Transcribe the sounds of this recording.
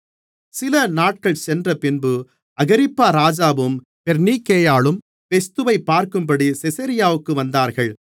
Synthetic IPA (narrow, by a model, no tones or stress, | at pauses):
sɪlɐnaːʈ̚kɐɭsɛndrɐpɪnbɯ | ɐɣɪɾɪpːaːɾaːd͡ʒaːʋɯm | pɛɾniːkːeːjaːɭɯm | fɛst̪ɯʋɐɪpːaːɾkɯmbɐɽisɪsɐɾɪjaːʋɯkːɯʋɐnd̪aːɾɣɐɭ